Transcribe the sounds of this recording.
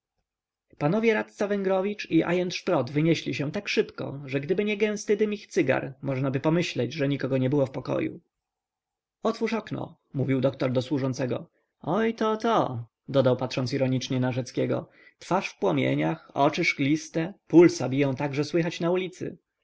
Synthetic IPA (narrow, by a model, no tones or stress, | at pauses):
panɔvʲjɛɾat̪t̪savɛŋɡɾɔvʲit͡ʂiʔa̰jɛnt̪ʂpɾɔd̪vɘɲɛɕlʲiɕɛ̃t̪akʂɘpkɔ̰ʐɛɡd̪ɘbɘɲɛɡɛ̃w̃st̪ɘd̪ɘmʲixt̪sɘɡa̰ɾmɔʐnabɘpɔmɘɕlɛd͡ʑʐɛɲikɔɡɔɲɛbɘwɔfpɔkɔ̰jṵ | ɔt̪fuʂɔknɔ̰ | muvʲiwd̪ɔkt̪ɔɾd̪ɔswuʐɔnt̪sɛɡɔ̰ | ɔjt̪ɔt̪ɔ | d̪ɔd̪awpat̪ʂɔnsiɾɔɲit͡ʂɲɛnaʐɛt̪skʲɛɡɔ̰ | t̪faʂfpwɔmʲjḛɲaxɔ̰t͡ʂɘʂklʲist̪ɛpulsabʲijɔ̃w̃t̪aɡʐɛswɘxat͡ɕnaulʲit̪sɘ̰